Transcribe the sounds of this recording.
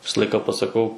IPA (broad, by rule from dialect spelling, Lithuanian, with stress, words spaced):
ˈʋʲɪsɐ ˈlˠɐɪkɐ pɐsɐˈkɐʊ